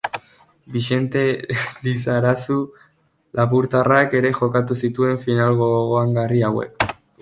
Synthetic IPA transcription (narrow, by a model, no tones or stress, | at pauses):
biʃe̞nt̪e̞lisaɾasu | laβuɾt̪arake̞ɾe̞ʝo̞kat̪̬usit̪ue̞ɱfinalɣoɣoaŋɡariawe̞̰k